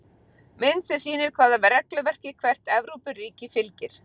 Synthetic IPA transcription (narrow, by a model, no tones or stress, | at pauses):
mɪnsɛsiːnɪɾ̥kʰvaːðavɛɾɛklʏvɛr̥cɪkʰvɛr̥t̪ɛvɾupʏrːiːcɪfɪlcɪɾ̥